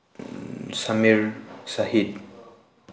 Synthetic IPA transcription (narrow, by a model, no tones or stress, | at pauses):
samiɹsahit